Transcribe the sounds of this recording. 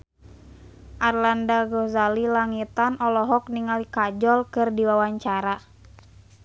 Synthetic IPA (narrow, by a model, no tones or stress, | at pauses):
ʔarlandaɡɔzalilaŋit̪anɔlɔɦɔk̚niŋalikad͡ʒɔlkɨrdiwawaɲt͡ʃaɾa